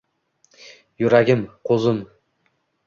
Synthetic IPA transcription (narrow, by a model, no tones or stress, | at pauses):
jʊɾaɡʲɪmqʰozɪm